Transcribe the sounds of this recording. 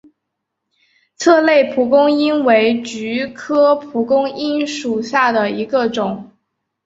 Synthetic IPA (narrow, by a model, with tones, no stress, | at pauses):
t͡sʰɤ˥˧le˥˩ɪpʰu˨˥kʊ˥ŋi˥nwe˧˥ɪt͡ɕy˧˥kʰɤ˥pʰu˨˥kʊ˥ŋi˥nʂu˨˩ɕja˥˩d̪ə˩i˧˥ɡə˧ʈ͡ʂʊ˨˩˦ŋ